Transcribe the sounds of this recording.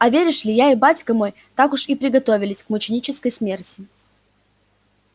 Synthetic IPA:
ɐvʲeɾʲɪʂlʲɪjaɪbatʲkəmo̞j | t̪akʊʂipɾʲɪɡɐt̪o̞vʲɪlʲɪsʲkmʊt͡ɕɪnʲit͡ɕɪskəjsmʲertʲɪ̥

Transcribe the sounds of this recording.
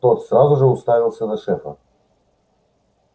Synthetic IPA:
t̪ot̪srazʊʐɨʊst̪avʲɪlˠsʲənɐʂɛfə̰

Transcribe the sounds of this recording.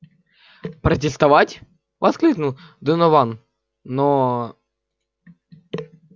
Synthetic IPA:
pɾət̬ʲɪst̪ɐvatʲ | vɐsklʲiknʊlˠd̪ɨnɔvanː | o

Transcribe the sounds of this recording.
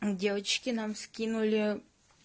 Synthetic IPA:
dʲevət͡ɕkʲɪnamskʲinʊlʲɪ

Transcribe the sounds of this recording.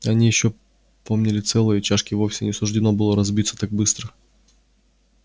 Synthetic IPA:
ɐnʲijɪɕːo̞ | po̞mnʲɪlʲɪt̪sɛlˠɨjət͡ɕaʂkʲɪvo̞fsʲɪnʲɪsʊʐdʲɪno̞bɨlˠəɾɐzbʲit̪sə̥t̪ak̚bɨst̪ɾə

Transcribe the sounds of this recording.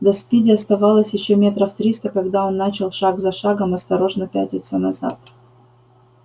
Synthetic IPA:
d̪ɐspʲidʲɪɐst̪ɐvalˠəsʲjɪɕːomʲe̞t̪ɾəft̪ɾʲist̪əkɐɡd̪ao̞nːat͡ɕɪlˠʂaɡzɐʂaɡəmɐst̪ɐɾo̞ʐnəpʲætʲnʲɪt̪sənɐza̰t̪

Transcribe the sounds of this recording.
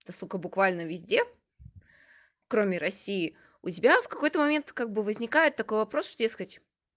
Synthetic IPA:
t̪ɐsukəbʊkvalʲnəvʲɪzʲdʲe̞ | kɾomʲɪɾɐsʲiɪ | ʊtʲɪbʲafkɐko̞jt̪əmɐmʲe̞nt̪kaɡ̚bɨvəzʲnʲɪkajɪt̪ːɐko̞jvɐpɾo̞sʂt̪odʲeskətʲ

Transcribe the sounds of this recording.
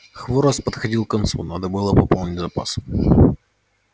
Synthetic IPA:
xvoɾəspət̪xɐdʲilˠkɐnt̪sṵnad̪əbɨlˠəpɐpolˠnʲɪtʲzɐpa̰s

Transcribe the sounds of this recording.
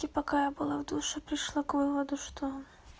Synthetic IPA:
kʲipakajɐbɨlˠawd̪uʂɨpɾɨʂlˠakvɨvɐd̪uʂt̪ʰɔ

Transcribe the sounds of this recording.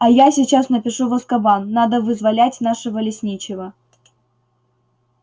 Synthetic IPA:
ɐjasʲɪt͡ɕasnəpʲɪʂuvəskɐbanːad̪əvɨzvɐlʲætʲnaʂɨvəlʲɪsʲnʲit͡ɕɪvə

